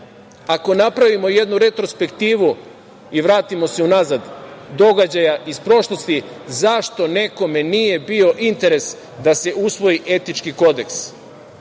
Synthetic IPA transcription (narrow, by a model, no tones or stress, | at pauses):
ako̞napɾaʋimo̞je̞d̪nuɾet̪ɾospe̞kt̪iːʋu | iʋɾaːt̪imo̞se̞unazad̪d̪o̞ɡad͡ʑajaʔispɾo̞ʃlˠo̞st̪i | zaʃt̪o̞ne̞ko̞me̞nije̞bio̞ʔint̪e̞ɾe̞s | d̪ase̞usʋo̞iʔe̞t̪it͡ʃkiko̞d̪e̞ks